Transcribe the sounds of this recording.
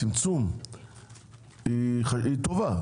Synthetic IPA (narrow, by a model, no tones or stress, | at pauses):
imt͡sum | iχait̪ova